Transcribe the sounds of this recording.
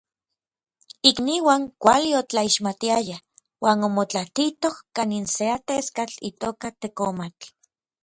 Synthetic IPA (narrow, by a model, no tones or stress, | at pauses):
ikniːwaːŋkʷa̰liot͡ɬaiʃmat̪iaja | waːnomot͡ɬat̪it̪ohkaninseat̪eskat͡ɬḭt̪oːkat̪ekomat͡ɬ